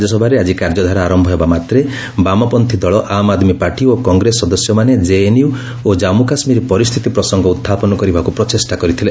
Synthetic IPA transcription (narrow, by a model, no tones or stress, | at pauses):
d͡ʒɔsɔbʱaɾead͡ʒikaɾd͡ʒɔd̪ʱaɾaːɾɔmbʱɔɦebamat̪ɾe | bamɔpɔnt̪ʰid̪ɔɭɔʔamad̪mipaɾʈiokɔŋɡɾesːɔd̪ɔsjɔmaned͡ʒeeniu | od͡ʒamukasmiɾipɔɾist̪ʰit̪ipɾɔsɔŋɡʱɔut̪ʰːapɔnɔkɔɾibʱakupɾɔtesʈakɔɾit̪ʰile